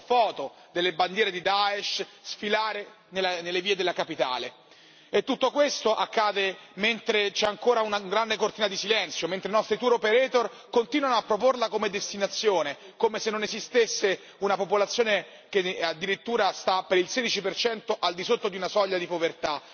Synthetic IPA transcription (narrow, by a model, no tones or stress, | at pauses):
fɔːt̪o | d̪elːeband̪jɛːɾed̪id̪aeʃsfilaːɾe | nelanelːeviːed̪elːakapit̪a̰ːle | et̪ːut̪ːokwest̪oʔakːaːd̪ement̪ɾet͡ʃɛaŋkoːɾaunaɡɾand̪ekort̪iːnad̪isilɛnt̪sjoment̪ɾeinɔst̪ɾit̪uɾopeɾɛːt̪or | kont̪inwanoapːɾoporlakomed̪est̪inat̪sːjoːne | komesenːonezist̪esːe | unapopolat̪sːjoːne | k̟ead̪ːiɾit̪ːuːɾast̪apːeɾilseːd̪it͡ʃipert͡ʃɛnt̪oʔald̪isot̪ːod̪iunasɔʎːad̪ipovert̪a